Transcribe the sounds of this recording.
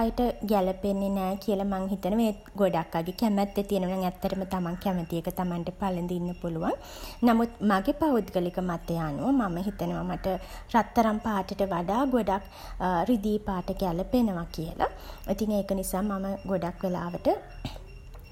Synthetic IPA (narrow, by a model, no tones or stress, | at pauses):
jəʈəɡɛləpenːenɛːkijəlamaŋɦit̪ənəʋeɡoɖakːaɡekɛmɛt̪ːet̪ijənʋɐnaŋɛt̪ːəɾəmət̪amaŋkɛmət̪iekət̪amanʈəpalənd̪inːəpuluʋaŋ | namut̪maɡepaud̪ɡəlikəmat̪ːejaːnuʋəmaməɦit̪ənəʋamaʈərat̪ːɐɾampaːʈəʈəʋaɖaːɡoɖak | ɾid̪iːpaːʈəɡɛləpenəʋakijəlʔa̰ | it̪iŋeːkənisaːmaməɡoɖakʋela̰ːʋəʈə